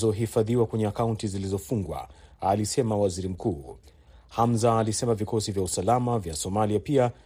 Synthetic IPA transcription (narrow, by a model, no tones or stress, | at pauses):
zɔɦifaðiwakwɛɲɛakauntizilizɔfuŋɡwa̰alisɛmawaziɾim̩kuː | hamzaːlisɛmavikɔsivjausalamavjasɔmaliapia